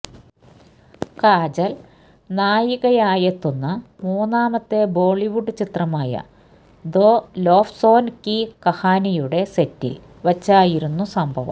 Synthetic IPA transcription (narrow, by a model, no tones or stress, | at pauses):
kaːd͡ʑɐl | naːjiɣɐjaːjɐt̪ːunːɐmuːnaːmɐt̪ːe̞bo̞ːɭiʋuɖɨt͡ɕit̪rɐmaːjɐ̰ | d̪oːlo̞ːfso̞ːnkikɐhaːnijuɽe̞setːḭl | ʋɐt͡ɕːaːjiɾunːusɐmbʱɐʋɐ̰m